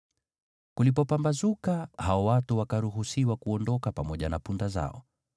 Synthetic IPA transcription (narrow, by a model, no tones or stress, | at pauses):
kulipɔpambazukahaɔwatuwakaɾuɦusiwakuɔndɔkapamɔʄanapundaza̰ɔ̰